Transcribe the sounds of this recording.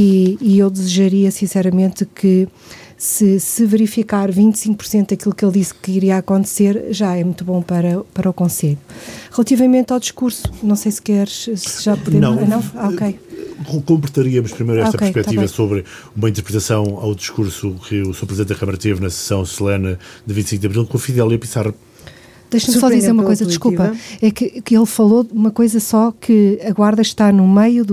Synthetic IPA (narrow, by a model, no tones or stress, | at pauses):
iiewd̪ɨziʒɐɾiɐsĩsɛɾɐmẽnt̪kɨ | sɨsɨvɨɾifikaɾvĩnt̪sĩŋk̚puɾsẽnt̪uðɐkilˠukelˠd̪iskɨiɾiakõnt̪seɾʒaɛmũt̪uβõpɐɾɐpɐɾɐukõseʎuʁɨlˠɐt̪ivɐmẽnt̪awd̪iʃkuɾsu̥nɐ̃w̃sejskɛɾʃsɨʒapuðnẽɐ̃w̃nɐ̃w̃aokejkkõmpɾɨt̪ɐɾiɐmuʃpɾimɐjɾɛʃot̪ɐkeɾjpɛk̪aivɐsoβɾɨ | umɐĩnt̪ɾpɾɨt̪ɐsɐ̃w̃a̰wd̪iʃkuɾsukɨusuɐpɾziẽt̪ɐkɐmɐɾɐt̪evnɐsɨ̥sɐ̃w̃sulˠenɐd̪ɨvĩt̪sĩk̚d̪ɐβɾilˠkõufiðɛlˠiɐpisaʁɐ | d̪ɐjʃɐmsɔdd̪izeɾumɐɐkojzɐd̪ʃkupɐɛkɨkelˠfɐlˠoðumɐkojzɐsɔkʰɨɐɣwaɾðɐʃt̪anumɐju